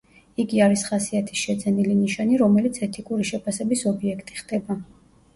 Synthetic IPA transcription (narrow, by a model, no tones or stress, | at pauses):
iɡiaɾisχasiat̪ʰi̥sʃɛd̪zɛniliniʃaniɾɔmɛlit̪sʰɛt̪ʰikʼuɾiʃɛpʰasɛbisɔbiɛkʰt̪ʼi̥χd̪ɛba